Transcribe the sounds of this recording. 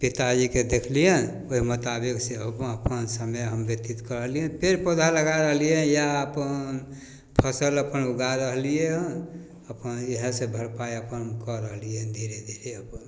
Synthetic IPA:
pit̪ad͡ʒiked̪ekʰlijən | oɦimot̪abikseəpənsəməjɦəmbet̪it̪kəɾəɦliə̃npʰeɾpod̪ʱaləɡaɾəɦlijejaəpənn | pʰəsələpənuɡaɾəɦlije | əpəneɦəsebʱəɾpaeəpənkəɾəɦlijənd̪ʱiɾed̪ʱiɾeəpən

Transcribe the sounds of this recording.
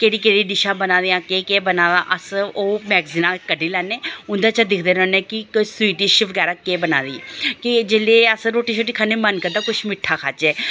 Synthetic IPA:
keːɽiːkeːɽiːɖɪʃãːbənãːd̪eãːkeːkeːbənaːɡaːʔəsoːmɛːɡziːnãːkəɖiːlɛːneːʊnd̪aːt͡ʃad̪ɪkʰd̪eːɾənẽːkɪkosʊiːʈiʃʋəɡɛːɾaːkeːbəna̰ːd̪iːkɪd͡ʒeːleːəsɾoːʈiːʃoːʈiːkʰaːneːmənkəɾd̪aːkʊt͡ʃʰmɪʈʰːaːkʰaːt͡ʃɛː

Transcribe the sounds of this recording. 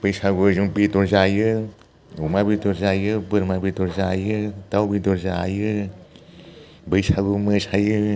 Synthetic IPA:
b̥ɯjsaɡuzuŋbitɔɾzajɯ | umabidɔɾzajɯbɯɾmabitɔɾzajɯtawbidɔɾza̰ːjɯ | bɯjsaɡumɯsajɯ

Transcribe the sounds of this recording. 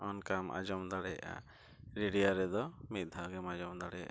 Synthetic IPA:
ɔnkamʔa̰d͡ʒɔmd̪aɽɛjʔa̰ | ɾiɽijaɾɛd̪ɔmit̪̚ˀd̪ʱaɡɛmad͡ʒɔmd̪aɽɛʔa

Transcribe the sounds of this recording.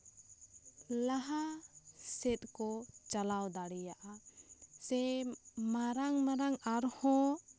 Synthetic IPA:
laɦa | sɛt̪̚kɔt͡ʃalawd̪aɽɛjaʔasɛmaɾaŋmaɾaŋaɾhɔ̃

